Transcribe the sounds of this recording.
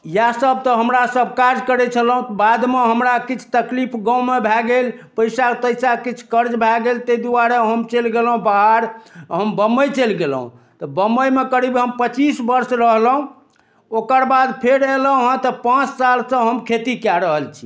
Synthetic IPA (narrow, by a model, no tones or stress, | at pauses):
jasəb̚t̪ɔɦəmɾasəb̚ʱkaɾd͡ʒkəɾɛt͡ʃʰəlɦũt̪bad̪meɦəmɾakit͡ʃʰu̥t̪əklipʰɡãwmebʱɛɡelpəjsat̪əjsakit͡ʃʰkəɾd͡ʒbʱɛɡelt̪ed̪uaɾaɦəmt͡ʃelɡelɦũbaɦaɾɦəmbəməjt͡ʃelɡelɦṵ̃ | t̪ɔbəməjmekəɾibɦəmpət͡ʃisbəɾsɾəɦlɦũ | okəɾbad̪pʰeɾeləɦũɦt̪ɔpãt͡ʃsalsə̃ɦəmkʰet̪ikjaɾəɦəlt͡ʃʰi̥